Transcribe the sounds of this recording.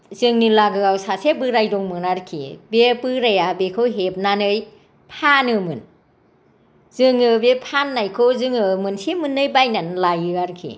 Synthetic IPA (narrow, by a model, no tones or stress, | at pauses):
zɯŋnilaɡɯawsasebɯɾajdɔŋmɯnaɾkʰḭbepɯɾajabekʰɯwɦep̚nanɯj | pʰanɯmɯn | zɯŋɯbepʰanːajkʰowzɯŋɯmɯnsemɯnːɯjbajnanlajɯaɾkʰḭ